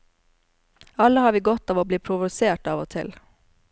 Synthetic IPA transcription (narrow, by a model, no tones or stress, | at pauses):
ɑləhɑːɾʋiːɡɔt̪ɑːʋoːbliːpʰɾʊʋʊseːʈɑːʋo̰ːt̪ʰɪ̰l